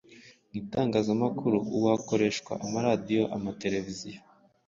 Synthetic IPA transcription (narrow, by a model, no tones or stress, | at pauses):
nitaːŋɡaːzamakuɾuʔuwako̞ɾe̞ʃkwa̰ʔamaɾadijo̞ʔa̰mate̞ɾe̞vizijo